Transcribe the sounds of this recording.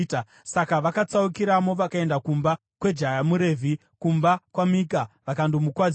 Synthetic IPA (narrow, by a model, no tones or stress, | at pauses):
ta | sakaʋakat͡saukiɾamo̞ʋakae̞ndakumba | kwe̞d͡ʒajamuɾe̞ːvʱi | kumbakwamik̬aʋakandomukwad͡z